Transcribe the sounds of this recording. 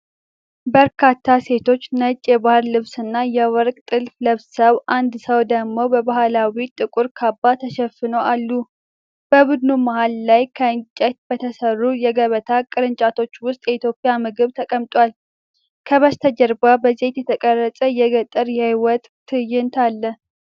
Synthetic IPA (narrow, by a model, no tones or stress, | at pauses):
bəɾkʰat̪ʰːase̞t̪ʰo̞t͡ʃːnət͡ʃʼːjɛbahɾlɨβsɨnːajɛwɔɾkʼt̪ʼɨlfləβsəβʔand̪səwd̪əɡmo̞bəbaɦalawit̪ʼɨkʼuɾkʰabːat̪ʰəʃɛfɨnowʔalːu | b̥əbud̪numahalːajkʰəɨnt͡ʃʼɛt̪̚b̥ət̪ʰəsərːujɛɡəβət̪ʰakʼɨɾɨnt͡ʃʼat̪ʰo̞t͡ʃːwʊst̪ʼjɛit̪jo̞pʼjamɨɡɨβt̪ʰəkʼəmt̪ʼʷal | kʰəβəst̪ʰəd͡ʒəɾbabəze̞t̪jɛt̪ʰəkʼərːəsʼəjɛɡət̪ʼːɨɾjɛhjwɔt̪ʼːʰɨjːɪnt̪ʰalːə